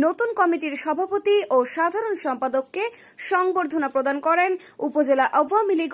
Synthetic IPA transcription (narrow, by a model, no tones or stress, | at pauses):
not̪unkɔmiʈiɾʃɔbʱapot̪iʔoʃad̪ʱaɾonʃɔmpad̪okːe | ʃɔŋboɾd̪ʱonapɾod̪ankɔɾen | upod͡ʑelaʔawamiliɡ